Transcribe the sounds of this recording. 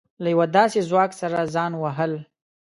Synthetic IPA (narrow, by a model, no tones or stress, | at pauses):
lajawad̪ɑsezwɑksaɾazɑnwaɦəl